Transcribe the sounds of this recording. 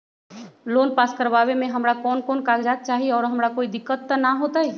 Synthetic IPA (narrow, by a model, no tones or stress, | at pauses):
loːnpaːskəɾbaːβemẽɦɐmɾakɔːnkɔːnkaːɡd͡ʒaːt̪̚t͡ʃaːɦieɔːɾɦɐmɾakoːid̪ɪkːət̪ːənaɦoːt̪aɦɛ